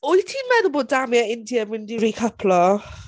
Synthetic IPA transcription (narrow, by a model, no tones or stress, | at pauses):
ʊjtʰiːnmɛðʊboːddamjaɪndjamɪndiɾikʰəpʰlɔ